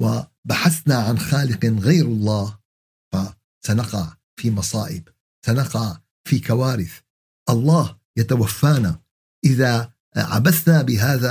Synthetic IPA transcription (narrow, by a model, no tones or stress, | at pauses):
wɪbaħaθnaʕanxaːlɪqɣajɾɑlˤːɑːh | fa | sanaqɑʕ | fiːmɑsˤɑːʔɪb | sanɑqɑʕ | fiːkawaːɾɪθ | ʔɑlˤːɑːh | jat̪awafːaːna | ʔɪða | ʕa̰basnabɪɦaːða